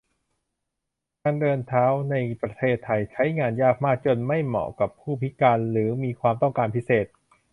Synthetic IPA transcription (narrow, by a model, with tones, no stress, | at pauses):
kaː˧ndɤː˧nt̪ʰaː˦˥wna˧jpɾa˧t̪ʰeː˥˩t̪ʰːa˧jt͡ɕʰa˦˥jŋaː˧njaː˥˩k̚maː˥˩k̚t͡ɕo˧nma˥˩jmɔ̰ː˨˩ka˨˩pʰːuː˥˩pʰi˦˥kaː˧nɾɯː˩˦miː˧kʰwaː˧mt̪ɔ˥˩ŋkaː˧npʰi˦˥seː˨˩t̪̚